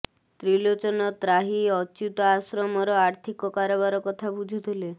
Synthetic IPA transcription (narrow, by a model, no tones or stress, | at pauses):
t̪ɾilot͡ʃɔnɔt̪ɾaɦiɔt͡ʃut̪ɔasɾɔmɔɾɔaɾt̪ʰikɔkaɾɔbaɾɔkɔt̪ʰabud͡ʒʱut̪ʰile